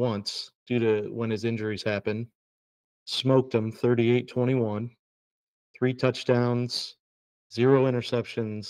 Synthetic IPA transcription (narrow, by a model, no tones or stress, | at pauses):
wʌ̃nsd̥ʉɾɨwə̃nɨzɪ̃nd͡ʒə˞iz̥hæpɨ̃n | smoʊk̚tɨ̃mθɜ˞ɾieɪtʰw̥ɛ̃ɾ̃iwʌ̃n | θɹitʰʌt͡ʃd̥ãʊ̃nz̥ | zɪɹoʊɪ̃ɾ̃ə˞sɛpʃɨ̃nz̥